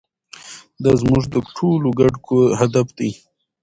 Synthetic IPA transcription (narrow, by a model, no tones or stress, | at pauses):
d̪azmuʐd̪əʈʰoloɡaɖkʰohad̪afd̪i